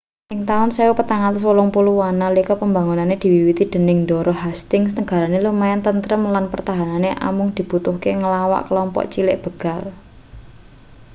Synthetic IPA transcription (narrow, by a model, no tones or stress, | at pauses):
ʔɪŋt̪aʊnsewupət̪aŋat̪əs̬wəlʊŋpuluwanalikɔpəmba̤ŋunaned̪̥i̤wiwit̪id̪̥ə̤nɪŋdɔ̤ɾʔɔɦast̪ɪŋsnəɡ̥a̤ɾanelumaɛnt̪ənt̪ɾəmlanpərt̪aɦananeʔa̰mʊŋd̪̥i̤b̥ut̪ʊhkeŋəlawa̰ʔkəlɔmpɔ̰ʔt͡ʃilɪʔb̥ə̤ɡ̥a̤l